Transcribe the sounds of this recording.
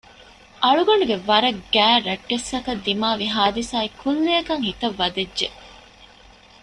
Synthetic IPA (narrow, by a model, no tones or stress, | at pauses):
ʔɐɭuɡɐɳɖuɡeʋɐɾɐɡ̥æːɾɐʈːesɐkɐd̪ːimaːʋiɦaːd̪isaːikʰulːeːkɐŋhit̪ɐʋːɐd̪edʒe